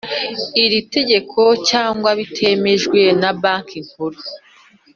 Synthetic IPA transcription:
iɾite̞ɟe̞kʰo̞caːŋɡwaβitʰe̞me̞ʒɡwe̞nabaːŋkiŋ̥huɾu

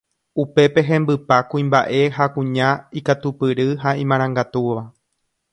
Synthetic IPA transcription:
upe̞pe̞ɦẽ̞mbɨpakũĩmba̰ʔe̞ɦakũɲãikat̪upɨɾɨɦaĩmãɾ̃ãŋɡat̪uʋa

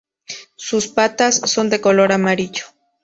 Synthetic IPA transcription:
suspat̪asːo̞nd̪e̞ko̞lo̞ɾamaɾiʎo̥

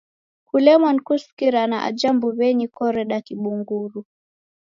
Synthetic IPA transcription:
kulɛmɔnkuskiɾanaʔa̰d͡ʒambuβɛɲikɔɾɛɗakiɓuŋɡuɾu

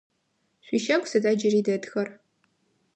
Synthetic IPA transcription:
ɕʷiːʃɐkʷʰʼsɐdad͡ʒɐriːdɐdxɐr

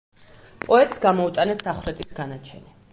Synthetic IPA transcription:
pʼɔɛt̪ʼsɡamɔut̪ʼanɛsd̪̥aχwɾɛt̪ʼisɡanat͡ʃʰɛ̰ni

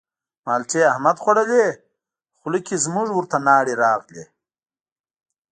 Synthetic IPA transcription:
maːlʈ͡ʂʰeɐhmɐd̪χoɽɐle | χʊlikizmuʐwuɾt̪ʰanaːɽiɾaːqle

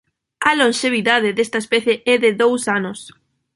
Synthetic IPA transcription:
ɐlonʃeβ̞iðað̞ɪðest̪ɐespeθjeʔɛðɪðowsanʊs

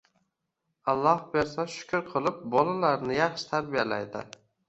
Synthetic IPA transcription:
alˠːɒhbeɾsaʃʊ̥kʲʰʊɾqʰɨlˠɪp̚bɒlalaɾnɪjɑχʃɪ̥t̪ʰaɾbijala̰jd̪ɪ̰

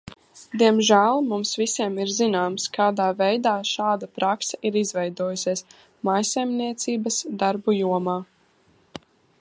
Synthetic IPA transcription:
d̪iɛmʒæːlˠmumsvisʲiɛmiɾzinaːmskaːd̪aːvɛjd̪aːʃaːd̪apɾaksɛʔiɾizvɛjd̪uɔjusʲiɛs | majsɛjmniɛt̪siːbɐsd̪aɾbujuɔmaː

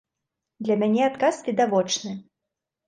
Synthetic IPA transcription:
d̪lʲɐmʲanʲɛat̪kasvʲɛd̪avɔt͡ʂnɨ

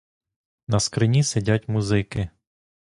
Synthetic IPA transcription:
nɐskɾɪnʲisɪdʲatʲmuzɪkɪ

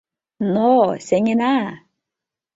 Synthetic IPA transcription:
noseŋina

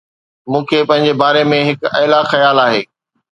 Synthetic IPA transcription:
mũːkʰepɐ̃ɦɪ̃ɲ̆d͡ʑebaːɾemẽɦɪkɐːlaxɐjaːlaːɦeː

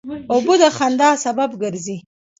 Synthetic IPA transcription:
obud̪axand̪ɑːsababɡəɾzi

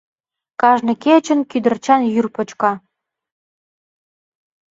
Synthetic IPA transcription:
kɑʒnɤ̆ket͡ɕə̆nkyd̪ə̆rt͡ɕɑnjyrpɤ̆t͡ɕkɑ

